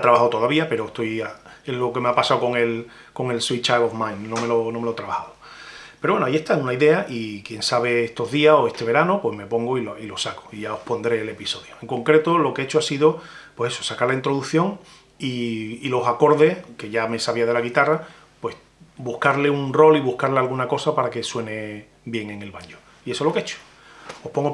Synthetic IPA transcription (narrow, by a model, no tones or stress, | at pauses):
at̪ɾaβahawt̪o̞ðaβiape̞ɾoeht̪o̞jae̞ɦlo̞ke̞meapasawko̞ŋe̞l | ko̞ŋe̞lsojt͡ʃaβofmãjnːõme̞lonomelot̪ɾaβahaðo | peɾowenoajie̞ht̪aŋunaiðe̞aʔikje̞nsaβe̞est̪o̞ɦðiaso̞e̞st̪e̞βe̞ɾanopwe̞hme̞po̞ŋɡoiloilo̞sako̥iʝao̞hpo̞nd̪ɾe̞ːle̞piso̞ðjoeŋkõ̞ŋkɾe̞t̪olo̞keet͡ʃoasiðopwe̞seso̥sakaɾlaint̪ɾoðuθjo̞ŋ | iːlo̞sako̞ɾðe̞hke̞ʝame̞saβ̞iað̞e̞laɣ̞it̪ara | pwe̞s | buhkaɾle̞uŋro̞liβuhkaɾlealɣunako̞sapaɾake̞swe̞ne̞ | bje̞ŋe̞ŋe̞lβaɲo | ie̞solo̞keet͡ʃo̥ | o̞hpoŋɡo